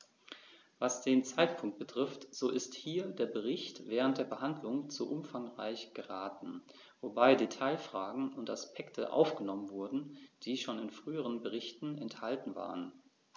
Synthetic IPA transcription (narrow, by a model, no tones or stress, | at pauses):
vasd̥eːnt͡saɪtpʰʊŋk̚t̚b̥ətʁ̥ɪftz̥oːʔɪsthiːɐdeːɐbəʁ̞ɪçtv̥ɛːʁ̞əntd̥eːɐbəhandlʊŋt͡suːʔʊmfaŋʁaɪçɡ̥əʁaːtn̩ | vobaɪdetʰaɪlfʁ̥aːɡŋ̩ʊntaspʰɛktʰə̰ʔa̰ʊfɡ̥ənɔmənvʊɐdn̩d̥iːʃoːnɪnfʁ̥yːəʁənbəʁ̞ɪçtn̩ɛnthaltn̩va̰ːʁən